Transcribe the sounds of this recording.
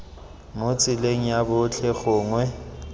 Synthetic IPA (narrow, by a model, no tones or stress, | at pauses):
ŋʊt͡sʼɪleŋ̩jabʊt͡ɬʰɛɣʊːŋwɛ